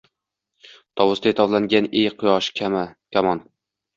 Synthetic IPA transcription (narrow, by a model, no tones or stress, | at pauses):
t̪ʰɒwʊst̪aet̪ʰɒvlaŋɡʲanejqʰʊjɒʃkʰʲamakʲamɒn